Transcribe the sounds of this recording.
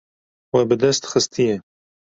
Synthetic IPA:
wɛbɨd̪ɛst̪xɨst̪ʰɨjɛ

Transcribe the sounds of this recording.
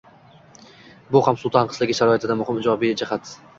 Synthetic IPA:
bʊhamsʊlˠt̪ʰanqʰɨ̥zlɪɡʲɪʃaɾɒɪt̪ʰɪd̪amʊhɪmɪd͡ʒɒbijd͡ʒɪhat̪

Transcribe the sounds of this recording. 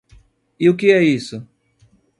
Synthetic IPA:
ɪʊk̬ɪɛisʊ

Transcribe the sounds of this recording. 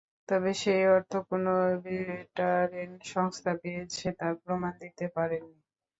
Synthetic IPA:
t̪ɔbeʃejɔɾt̪ʰokonobiɾeʈaɾenʃɔŋst̪ʰapejet͡ɕʰet̪aɾpɾomand̪it̪epaɾenːi

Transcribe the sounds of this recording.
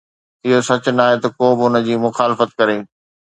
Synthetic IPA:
ɪɦosɐt͡ɕʊnaːɦet̪ɐkoːbɪʊnə̆d͡ʑiːmʊxaːlɪfət̪̚kɐɾeː

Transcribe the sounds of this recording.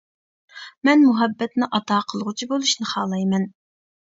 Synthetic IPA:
mɛnmuɦɛbːɛt̪nɪʔɑt̪ɑːqʰəlˠʁʊt͡ʃʰibolˠuʃnɨχɑːlˠɑjmɛn

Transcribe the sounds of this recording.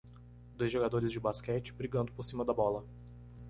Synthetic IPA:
d̪ojzʒoɡad̪oɾɪzd͡ʒɪbaskɛt͡ʃɪ̥bɾiɡɐ̃nd̪ʊpoɾsĩmɐd̪ɐbɔlɐ

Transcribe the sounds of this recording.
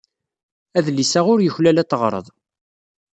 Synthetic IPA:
æðlisæʁʊɾjəçlælæt̪ːəʁɾˤə̰ðˤ

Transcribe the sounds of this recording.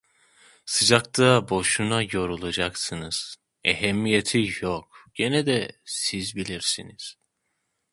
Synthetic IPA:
sɯd͡ʒak̚t̪ʰabo̞ʃunajo̞ɾulˠad͡ʒaksɯnɯz̥ | eɦɛmːijet̪ʰijokɟ̥enɛd̪ɛsizbilʲiɾsiniz̥

